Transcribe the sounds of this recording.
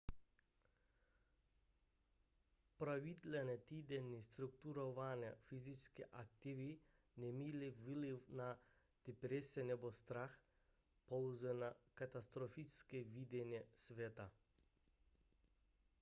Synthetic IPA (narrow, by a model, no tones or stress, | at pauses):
pɾaʋit̪lɛnɛt̪iːd̪ɛnist̪ɾukt̪uɾɔʋanɛfiziskɛʔak̚t̪iʋi | nɛmiːliviliwna | t̪ɛpɾesɛnɛbost̪ɾax | pɔwzɛnakat̪ast̪ɾɔfiskɛʋiːd̪ɛnjɛsʋeːt̪a